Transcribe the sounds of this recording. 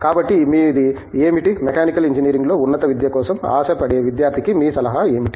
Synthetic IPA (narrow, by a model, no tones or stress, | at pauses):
kaːbɐʈːimiːd̪i | eːmiʈimɛkaːnikɐliɲd͡ʒiniːɾiŋɡlo̞ːunːɐt̪ɐʋid̪jɐkɔːsɐma̰ːʃɐpɐɽeːʋid̪jaːɾt̪ʰikimiːsɐlɐɦaeːmiʈi̥